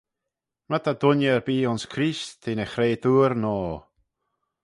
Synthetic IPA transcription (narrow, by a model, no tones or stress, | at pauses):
mat̪ʰad̪ʊnjəɾbiːʊnskʰɾisʰenɛxɾeːd̪uːɾnɔː